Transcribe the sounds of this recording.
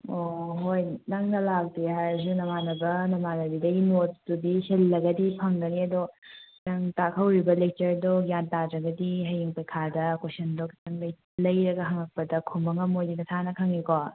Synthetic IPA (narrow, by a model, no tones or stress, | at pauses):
oɦojnɐŋnɐlak̚dihaɐzunɐmanɐbɐnɐmanɐbidɐɡinotdudihelːɐɡɐdipʰɐŋdɐniɐdo | nɐŋtakʰɐwɾibɐlek̚t͡ʃɐɾdoɡjantadɾɐɡɐdiɦɐjiŋpɐjkʰadɐkosɐndokʰtɐŋlɐj | lɐjɾɐɡɐɦɐŋɐk̚pɐdɐkʰumbɐŋɐmojdinɐtʰanɐkʰɐŋikɔ